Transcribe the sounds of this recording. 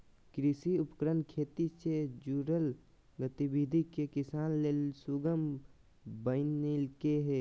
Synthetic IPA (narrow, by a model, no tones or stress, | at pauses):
kɾisiʊpəkɾənkʰeːt̪ised͡ʒuːɾəl | ɡət̪ibid̪ʱikekɪsaːnlelsuɡəm | bəɪnilkeɦeː